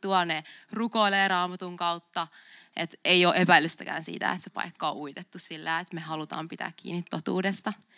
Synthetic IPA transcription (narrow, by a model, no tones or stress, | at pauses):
t̪uɑnerukoileːɾɑːmɑt̪uŋkɑut̪ːɑ | ʔet̪eioːʔepæilːyst̪ækæ̰ːnsḭːt̪æ̰ḛt̪sepɑ̰ikːɑoʔuit̪et̪ːussilːæːet̪mehɑlut̪ɑ̰ːmpit̪æ̰ːkkḭːnːit̪ːot̪ṵːdest̪ɑ